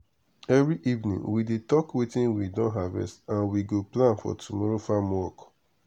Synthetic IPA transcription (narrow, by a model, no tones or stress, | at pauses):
ɛvɹiʔivnḭ̃ŋwidetɔkwetĩnwidɔ̃nɦavɛ̰stãnwiɡoplãnfɔ̰tumɔɾofamɔɔk